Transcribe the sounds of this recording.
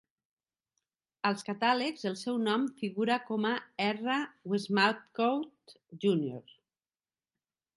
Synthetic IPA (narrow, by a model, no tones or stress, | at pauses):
əlˠskat̪alekzəlˠsɛwnɔmfiɣuɾakɔmaɛrawezmalt̪kowt̪ | ʒunjo̰ɾ